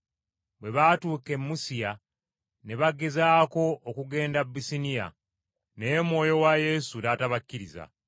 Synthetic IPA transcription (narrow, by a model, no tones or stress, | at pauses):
bwe̞βaːtuːke̞mːusija | ne̞βaɡe̞zaːko̞ʔːkuɡe̞ːndabːisinija̰ | nemwo̞ːjo̞waje̞sudaːtaβakːiɾiza̰